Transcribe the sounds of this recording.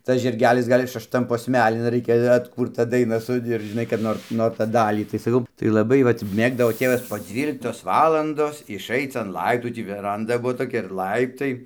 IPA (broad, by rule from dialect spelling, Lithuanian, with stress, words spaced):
ˈtɐs ʒʲɪrʲˈɡʲæːlʲɪs ˈɡɐlʲ ɪs ʃɐʃˈtɐm poːsʲˈmʲæːlʲɪn ˈrɐɪkʲɛ ɐtˈkuːrtɐ ˈdɐɪnɐ sʊ ɪr ˈʒʲɪnɐɪ kɐt ˈnoːr ˈnoːr ˈtɑː ˈdɑːlʲiː tɐɪ sɐˈkɐʊ tɐɪ lˠɐˈbɐɪ ˈʋɐt ˈmʲeːɡdɐʋoː ˈtʲeːʋɐs poː ˈd͡zʲʋʲiːlʲɪktoːs ˈʋɑːlˠɐndoːs ɪʃˈɐɪt͡s ɐn ˈlˠɐɪptuː ˈtʲiː ʋʲɛˈrɐndɐ ˈbuɔ toːˈkʲɛ ɪr ˈlˠɐɪptɐɪ